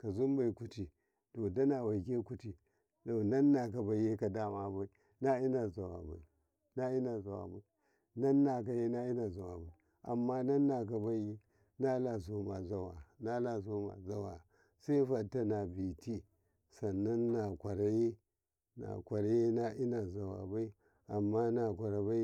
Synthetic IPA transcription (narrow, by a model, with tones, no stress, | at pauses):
ka˨zu˦m˦ba˨i˨ku˦ti˨ | to˨da˦na˨wa˨ke˦ku˦ti˨ | to˨na˦nːa˨ka˨ba˨˦je˦ka˨da˦ma˦˨ba˨i˨ | na˦i˦na˨za˨wa̰˨ba̰˨i˨ | na˦i˦na˨za˨wa̰˨ba˨i˨ | na˦nːa˨k̬a˨je˦na˦i˦na˨za˨wa̰˨ba˨i˨ | ʔa̰˨mːa˦na˦nːa˨k̬a˨ba˦je˦ | na˦la˨zo˨ma˨za˨wa˨na˦la˨zo˦ma̰˨za˨wa˨ | sa˦i˦fa˨tːa˦na˨bi˨ti˦ | sa˨na˦nːa˨kʷa˨ɾa˦ji˦ | na̰˨kʷa˨ɾa˦ji˦na˦ʔi˦na˨za˨wa̰˨ba˦i˦ | a˨mːa˦na˨kʷa˨ɾa˨ba˦i˦